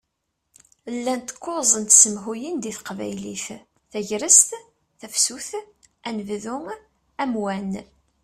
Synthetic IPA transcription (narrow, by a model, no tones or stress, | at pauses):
lːænt̪ə̥kːozˤənt̪səmɦujind̪iθqvæ̰jliθ | θæʝɾəst̪ | θæfsuθ | ænəvðʊ | æmwæn